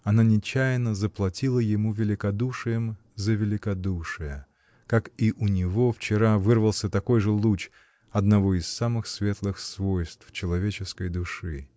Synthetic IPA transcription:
ɐnanʲɪt͡ɕæjnəzəplˠɐtʲilˠəjɪmuvʲɪlʲɪkɐd̪uʂɨjəm | zəvʲɪlʲɪkɐd̪uʂɨjə | kakiʔʊnʲɪvo̞ft͡ɕɪɾavɨrvəlˠsʲət̪ɐko̞jʐɨlˠut͡ɕ | ɐd̪nɐvo̞ɪsːamɨxsvʲe̞t̪lˠɨxsvo̞jst̪ft͡ɕɪlˠɐvʲet͡ɕɪskəjd̪ʊʂɨ

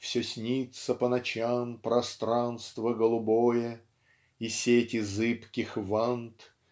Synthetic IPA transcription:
fsʲosʲnʲit̪səpənɐt͡ɕampɾɐst̪ɾanst̪vəɡəlˠʊbojə | isʲetʲɪzɨpkʲɪxvant̪

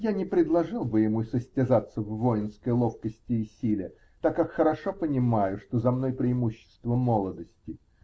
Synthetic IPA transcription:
janʲɪpɾʲɪd̪lˠɐʐɨlˠbɨjɪmusəsʲtʲɪzat̪sːəvːo̞jɪnskəjlˠo̞fkəsʲtʲɪːsʲilʲɪ | t̪akːakxəɾɐʂo̞pənʲɪmajʊʂt̪o̞zɐmno̞jpɾʲɪɪmuɕːɪ̥st̪vəmolˠəd̪əsʲtʲɪ

